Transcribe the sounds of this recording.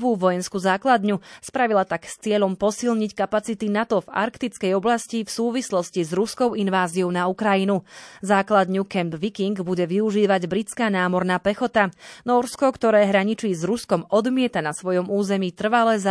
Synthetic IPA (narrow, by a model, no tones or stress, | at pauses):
ʋuːʋɔjɛnskuzaːklad̪ɲuspɾaʋilat̪akst͡sɪɛʎɔmpɔsilɲickapat͡sit̪inat̪ɔva̰ɾkt̪it͡skɛjɔblascifsuːʋislɔscizɾuskɔʊinʋaːziɔʊnaukɾajinuzaːklad̪ɲukɛmbʋikiŋɡbuɟɛʋiuʒiːʋaɟbɾit͡skaːnaːmɔɾnaːpɛxɔt̪anɔːɾskɔkt̪ɔɾɛːɦɾaɲit͡ʃiːzɾuskɔmɔd̪mɪɛt̪anasʋɔjɔmuːzɛmiːt̪r̩ʋalɛːza